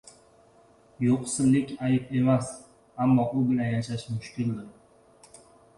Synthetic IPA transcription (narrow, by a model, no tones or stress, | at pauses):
joqsɪllːɪkʲajɪpe̞mas | amːɒʔʊbʲɪlajaʃaʃmʊʃkʲʰɪld̪ɪɾ